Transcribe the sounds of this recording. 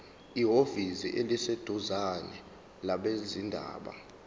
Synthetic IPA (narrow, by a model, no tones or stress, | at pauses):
iɦofisḭʔelised̥ʱuzanɛ̰ | laɓezindʱa̰ːɓa̰